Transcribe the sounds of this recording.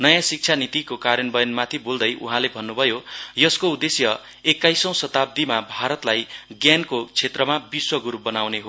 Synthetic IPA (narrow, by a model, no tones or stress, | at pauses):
nʌjãsik̚t͡sʰanit̪ikokaɾjʌnbʌjʌnmat̪ʰibold̪ʌjṵɦãlebʱʌnːubʱʌjojʌskoud̪esjʌ | ekːajsʌ̃w̃sʌt̪ab̚d̪imabʱaɾʌt̪lajɡjankot͡sʰet̪rʌmabiswʌɡuɾup̚bʌnawneɦo